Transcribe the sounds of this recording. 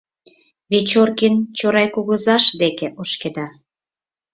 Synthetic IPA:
βet͡ɕorkint͡ɕoɾɑjkuɣə̆zɑʃd̪ekeʔoʃked̪ɑ

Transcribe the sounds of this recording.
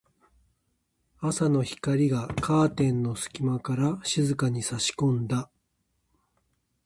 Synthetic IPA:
asano̞çi̥kaɾʲiɡakʰaːt̪ẽ̞nːo̞sɨ̥kʲimakaɾaɕizɨkaɲ̟isaɕi̥kõ̞nd̪a

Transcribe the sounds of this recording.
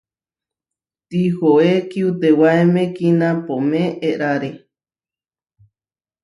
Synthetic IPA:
t̪ihoekiut̪ewaemẽkinãpomẽʔeʔɾaɾe

